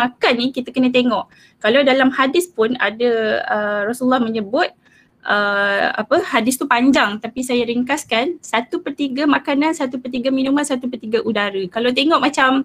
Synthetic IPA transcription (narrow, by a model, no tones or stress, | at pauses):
makanːikit̪akənət̪eŋɔʔ | kalawdalamhadɪspʊna̰daərɔsulːɔhməɲəbʊt̪̚ | ʔəa̰pəhadɪst̪upaɲd͡ʒaŋt̪apisajaɾiŋkaskansat̪upərt̪iɡamakanansat̪upərt̪iɡamĩnumansat̪upərt̪iɡaʔudaɾəkalawt̪̬eŋɔʔmat͡ʃam